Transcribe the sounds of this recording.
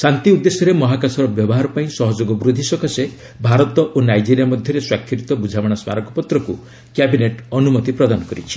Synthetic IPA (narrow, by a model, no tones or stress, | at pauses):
sant̪iud̪ːesɔɾemɔɦakasɔɾɔbjɔbɔɦaɾɔpaĩsɔɦɔd͡ʒoɡɔbɾud̪ʱisɔkʰase | bʱaɾɔt̪ɔʔonajd͡ʒiɾijamɔd̪ʱjɔɾeswakʰːiɾit̪ɔbud͡ʒʱawɔɽ̃sma̰ɾɔkɔpɔt̪ɾɔkṵ | kjabineʈɔnumɔt̪ipɾɔd̪anɔkɔɾit͡ʃʰi̥